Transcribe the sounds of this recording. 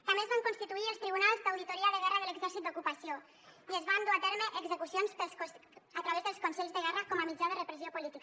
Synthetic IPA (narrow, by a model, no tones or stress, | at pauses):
t̪amezβaŋkonst̪it̪uiəlst̪ɾiβ̞unalˠzd̪awðit̪uɾiaðəɣɛrəðələɡzɛɾsit̪̚d̪ukupɐsijo | iəzβand̪uat̪ɛɾməʔəɡzəkusionspəskosat̪ɾaβezðəlskonsɛʎzðəɣɛrakɔməmid͡ʒað̞ərəpɾəziopulit̪ik